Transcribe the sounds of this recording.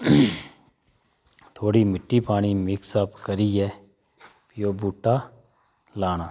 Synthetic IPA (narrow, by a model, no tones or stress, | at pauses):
t̪ʰoːɽiːmɪʈːiːpaːɽ̃iːmɪksəpkəɾiːɦɛː | pɪjoːbuːʈːaː | laːnaː